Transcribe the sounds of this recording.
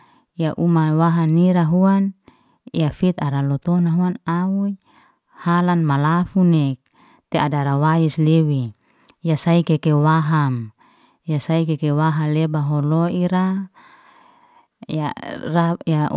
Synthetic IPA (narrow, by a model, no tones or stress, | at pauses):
jaʔumawaɦaniɾaɦuan | ijafit̪aɾalɔt̪onaɦuanauj | halanmalafunek̚ | t̪eadaɾawaislewi | jasaikekewaɦam | jasaikekewaɦalebaɦoloiɾa | jaraja